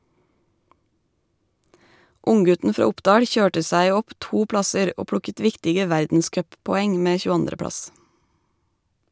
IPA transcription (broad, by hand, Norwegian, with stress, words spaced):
ˈʊŋˌɡʉtn̩ ˈfɾɑː ˈʊpdɑːɽ ˈçøːʈə ˈsæɪ ˈɔp ˈtuː ˈpɽɑsəɾ ˈoː ˈpɽʊkət ˈʋɪktɪɡə ˈʋæɾdn̩ˌskœppɔˌɛŋ ˈmeː çʉːˈɑndɾə ˈpɽɑs